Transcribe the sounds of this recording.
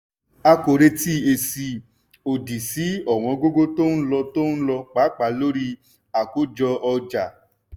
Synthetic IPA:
a˧ko˨ɾe˧ti˦e˨si˧ | o˨di˨si˨˦ɔ˨w̃ɔ̃˨˧ɡo˦ɡo˦to˦n̩˦lɔ˧to˦n̩˦lɔ˧k͡pa˨˦k͡pa˨˧˦lo˦ɾi˦ | a˨ko˦d͡ʒɔ˧ɔ˧d͡ʒa˨

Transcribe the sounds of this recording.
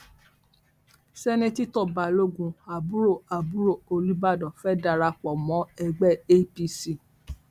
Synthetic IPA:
sɛ˦nẽ˧ti˦tɔ˦˨ba˨lo˦ɡũ˧a˨bu˦ɾo˦˨a˨bu˦ɾo˦˨o˧li˦ba˦˨dɔ˨fɛ˦da˧ɾa˧k͡pɔ˨mɔ̃˨˦ɛ˧ɡ͡bɛ˦˨e˦pi˧si˦˨

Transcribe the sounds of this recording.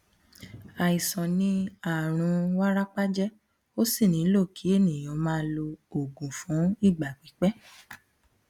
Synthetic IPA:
a˨i˨sɔ̃˨nĩ˧˦a˨ɾ̃ũ˨˧˦wa˦ɾa˦k͡pa˦d͡ʒɛ˦ | o˦si˦˨nĩ˨˦lo˦˨ki˨˦e˦˨nĩ˨j̃ɔ̃˨˦mãː˦lo˧o˨ɡũ˨fũ˨˦i˦˨ɡ͡ba˨k͡pi˨˦k͡pɛ˦

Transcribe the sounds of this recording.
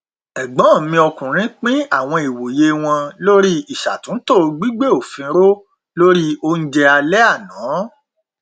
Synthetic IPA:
ɛ˨ɡ͡bɔ̃˨˦˨mĩ˧ɔ˧kũ˨ɾ̃ĩ˨˦k͡pĩ˦a˦˨w̃ɔ̃˧i˨wo˨je˧w̃ɔ̃˧lo˦ɾi˦i˨ʃa˨tũ˨˦to˦˨˧ɡ͡bi˦ɡ͡be˦o˦˨fĩ˧˦ɾo˦ | lo˦ɾi˦o˧n̩˦d͡ʒɛ˧a˧lɛ˦a˦˨nãː˨˦

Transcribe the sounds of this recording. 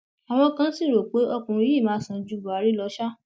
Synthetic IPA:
a˨w̃ɔ̃˧kã˧n̩˦si˦˨ɾo˨k͡pe˨˦ɔ˦˨kũ˨ɾi˦i˦˨mãː˨˦sã˧˨d͡ʒu˧˦bu˨a˨ɾi˨˦lɔ˧˦ʃa˦

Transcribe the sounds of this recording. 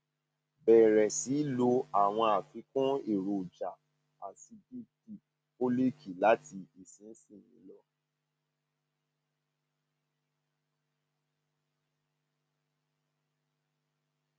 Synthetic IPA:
bɛ˨ɾɛ˨si˨˦lo˧a˨w̃ɔ̃˧a˨fi˨˧˦kũ˦i˦˨ɾo˨d͡ʒa˨ | a˨si˧di˦ti˦˨ | o˦le˦kʰi˦˨la˦ti˧i˨sĩ˨˦n̩˦sĩ˦˨jĩ˨˦lɔ˦

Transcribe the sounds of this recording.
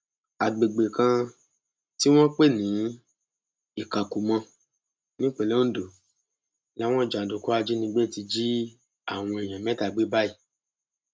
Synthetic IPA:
a˨ɡ͡be˨ɡ͡be˨kã˧ | ti˦w̃ɔ̃˦k͡pe˦˨nĩ˨˦ | i˦˨ka˨ku˨mã˧ | nĩ˦k͡pe˨˧le˦o˦do˨ | la˨˦w̃ɔ̃˦˨d͡ʒa˨do˨ku˦a˧d͡ʒi˦nĩ˧ɡ͡be˦˨ti˧d͡ʒi˦ | a˦˨w̃ɔ̃˧e˨j̃ã˨mɛ̃˨˦ta˧˨ɡ͡be˦ba˦i˦˨

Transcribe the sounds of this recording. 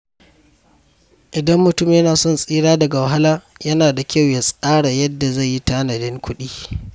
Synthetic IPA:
ʔɪ˨dɐ˦mːʊ˨tʊ˦˨m˨jɐ˦naː˨sɔ˦˨nsʼiː˦ɽaː˦dɐ˨ɡa˨wɐ˨ɦa˦laː˦jɐ˦naː˨da˨kʲa˦˨wja˨sʼaː˦ɽa˨jɐ˦dːa˨za˦˨jːi˦taː˦nɐ˨dɪ˦ŋkʷʊ˦ɗiː˦

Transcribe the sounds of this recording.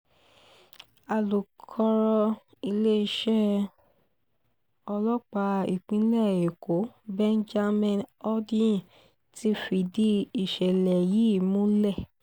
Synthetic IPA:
a˨lu˨kʰɔ˧ɾɔ˧ | i˧le˦i˧ʃɛ˦ | ɔ˧lɔ˦k͡pa˧i˨k͡pĩ˨˦lɛ˦˨e˨kʰo˨˦bɛ̃˦n˦d͡ʒa˦mɛ̃˦˨ɔ˦dĩ˦˨ | ti˦fi˧˨di˦i˨ʃɛ˨lɛ˨ji˨˦˨mũ˦lɛ˦˨

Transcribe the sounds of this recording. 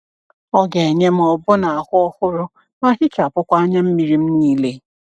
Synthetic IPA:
ɔ˦ɡe˨ɲe˦m̩˦ɔ˨bʊ˦na˨a˨hʊ˦ɔ˦hʊ˦ɾʊ˦ | ma˦ɦɪ˦t͡ʃa˨pʊ˦kʷa˦a˦ɲa˦m̩˦mi˨ɾi˦m̩˦niː˦le˦

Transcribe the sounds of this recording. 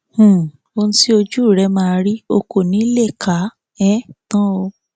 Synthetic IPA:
hũ˨ | o˧ñ̩˦ti˦o˧d͡ʒu˦˨ɾɛ˧˦mãː˦˧ɾi˦o˧ko˨nĩ˨˦le˦˨kʰa˨˦ | ɛ˦tã˦o˧

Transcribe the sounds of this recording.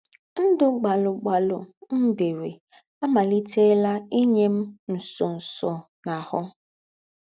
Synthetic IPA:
n̩˦dʊ˦ɡ͡ba˨lʊ˨ɡ͡ba˨lʊ˨n̩˦de˨we˨ | a˦ma˨li˦te˦la˦i˦ɲe˦m̩˦n̩˨sɔ˨n̩˨sɔ˨ | na˨hʊ˦

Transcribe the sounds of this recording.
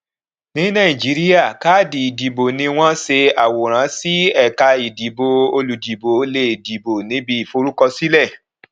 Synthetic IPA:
nĩ˨˦nã˦˨ĩ˨d͡ʒi˨˦ɾi˦ja˦˨ka˦˨di˨i˨di˨bo˨nĩ˧w̃ɔ̃˦se˧a˨wo˨ɾ̃ã˨˦si˦ɛ˦˨ka˧i˨di˨bo˧o˧lu˨di˨bo˨˦le˧˨i˨di˨bo˨nĩ˨˦bi˧i˨fo˧ɾu˦kɔ˧si˦lɛ˦˨

